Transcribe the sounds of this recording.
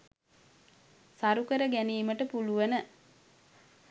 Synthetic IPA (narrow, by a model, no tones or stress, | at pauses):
saɾukəɾəɡæniːməʈəpuluʋənə